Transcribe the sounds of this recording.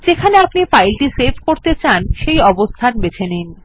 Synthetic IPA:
d͡ʑekʰaneapnifajlʈisebʱkoɾt̪et͡ɕanʃejɔbost̪ʰanbet͡ɕʰenin

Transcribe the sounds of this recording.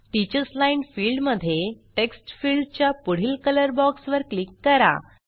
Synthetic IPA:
ʈit͡ɕəslainfiɭɖməd̪ʱːjeʈeksʈfiɭɖt͡ɕjapuɽ̤iːlkələɾbɔksʋəɾklikːəɾa̰

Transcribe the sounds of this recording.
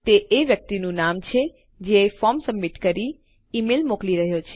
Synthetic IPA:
t̪eʔeʋjək̚t̪inũnamt͡ʃʰe | d͡ʒeːfɔmsəmːiʈkəɾi | imelmokliɾəɦjot͡ʃʰe

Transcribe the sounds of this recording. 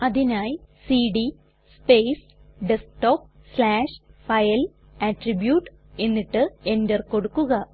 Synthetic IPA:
ɐðinaːjsiːɖi | speːs | ɖesʈoːp̚ | slaːʂfɐjɐl | ɐʈribjuːʈː | e̞nːiʈːɨe̞ndɐrko̞ɽukːuɣɐ

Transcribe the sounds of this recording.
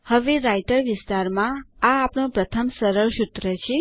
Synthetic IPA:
həʋeɾajʈəɾʋɪst̪aɾmãaːpɳõpɾət̪ʰəmsəɾəɭʃut̪ɾət͡ʃʰe

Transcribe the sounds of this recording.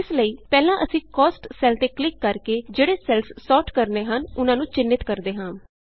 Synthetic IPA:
ɪsləiːpɛːlãːʔəsĩːkɔːsʈsɛːlt̪eːklɪkːəɾkeːd͡ʒeːɽeːsɛːlssɔːʈkəɾneːɦənʊnãːnũːt͡ʃɪnːɪt̪kəɾd̪eːɦãː

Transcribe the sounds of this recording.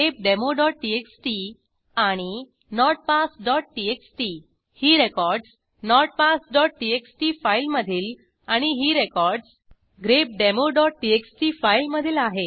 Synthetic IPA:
ep̚ɖemoɖɔʈ̚ʈieksʈi | aɽ̃i | nɔɾɖ̚pasɖɔʈ̚ʈieksʈi | hiːɾekɔɾɖs | nɔɾʈ̚pasɖɔʈ̚ʈieksʈifailməd̪ʱiːl | aɽ̃iɦiːɾekɔɾɖs | ɡɾep̚ɖemoɖɔʈ̚ʈieksʈifailməd̪ʱilaɦe

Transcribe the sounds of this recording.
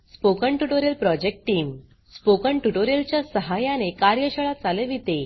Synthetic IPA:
spokəɳʈuʈoɾelpɾɔd͡ʑek̚ʈʈːiːm | spokəɳʈuʈoɾelt͡ɕjasəɦajãnekaɾjəɕəɭad͡zaleʋit̪e

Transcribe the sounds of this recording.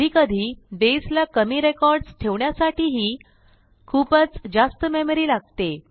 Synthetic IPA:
ikəd̪ʱiːd̪eslakəmiːɾekɔɾɖsʈ̪ʰeʋɳjasaʈiːɦiː | kʰuːpət͡sd͡ʑast̪əmeməɾiːlaɡ̚t̪e

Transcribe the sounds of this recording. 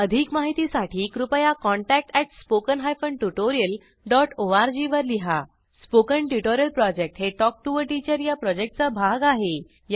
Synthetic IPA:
əd̪ʱikmaɦit̪isaʈʰiːkɾupəjakɔɳʈæk̚ʈɛʈspokənɦajfəɳʈuʈoɾijəl | ɖɔʈoʋaɾd͡ʑiʋəɾliɦa | spokəɳʈuʈoɾijəlpɾɔd͡ʑek̚ʈɦeʈɔk̚ʈuʋəɾʈit͡ɕəɾjapɾɔd͡ʑek̚ʈ̚t͡sabʱaɡaɦe | j

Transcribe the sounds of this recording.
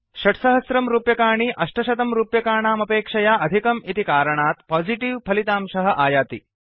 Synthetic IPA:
ʃɐʈsɐɦɐsɾɐmɾuːpjɐkaːɳ̃iʔɐʂʈɐʃɐt̪ɐmɾuːpjɐkaːɳaːmɐpeːkʂɐjaːʔɐd̪ʱikɐmit̪ikaːɾɐɳaːt̪paːd͡ʒiʈiʋpʰɐlit̪aːmʃɐɦɐʔaːjaːt̪ḭ

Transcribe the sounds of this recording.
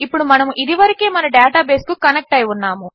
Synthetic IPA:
ipːuɽumɐnɐmuʔid̪iʋɐɾikeːmɐnɐɖaːʈaːbeːskukɐnek̚ʈɐjunːaːmu

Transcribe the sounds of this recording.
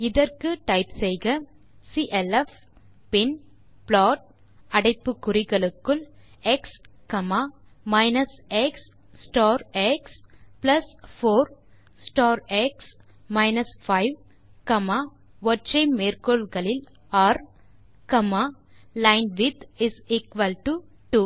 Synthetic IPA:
ɪðɐɾkɯʈɐɪpsɛjɣɐ | siʔɛlɛf | pɪn | pɭaːʈ̚ | ɐɽɐɪpːɯkːʊɾɪɣɐɭɯkːɯl | ɛkskɐmaː | mɐɪnɐsɛksː | ʈaːɾɛksplɐsfoːɾ | sʈɔːɾeks | maɪnɐsfaɪʋ | kɐmaː | ʋɔɾt͡ʃẽːmːeːɾkoːlɡɐlɪl | aːɾ | kɐmaː | lãɪnɖʋɪd̪ɪsiːkʋɐlʈu | ʈuː

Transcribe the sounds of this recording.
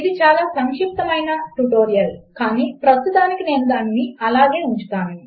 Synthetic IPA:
id̪it͡ʃaːlaːsɐŋkʂip̚t̪ɐmɐjnɐʈuʈo̞ːɾijɐlkaːniːpɾɐst̪ut̪aːnikine̞ːnud̪aːnːiɐlaːɡe̞ːuɲt͡ʃu̥t̪aːnu

